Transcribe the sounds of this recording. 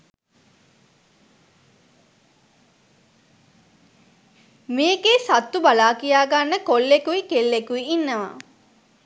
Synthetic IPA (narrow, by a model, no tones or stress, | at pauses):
meːɡesat̪ːubalaːkijaːɡanːəkolːekuikelːekuiːnːəʋa̰